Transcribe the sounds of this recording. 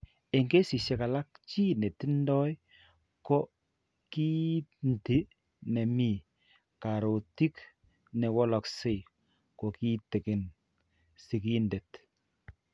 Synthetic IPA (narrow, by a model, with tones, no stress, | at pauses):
e˨ŋɡe˦si˨se˨ka˨la˦kt͡ʃi˦ne˨ti˦ndɔ˦j | ko˦ | ki˦ndi˨ | nɛ˨mi˨ | ka˨ɾo˨ti˦k | nɛ˨wɔ˦lɔ˨kse˦ | ko˨ki˦te˨ke˨n | si˨ki˦nde˨t